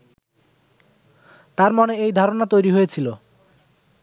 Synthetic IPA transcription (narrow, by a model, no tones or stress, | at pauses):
t̪aɾmɔneejd̪ʱaɾonat̪ojɾiɦojet͡ɕʰilo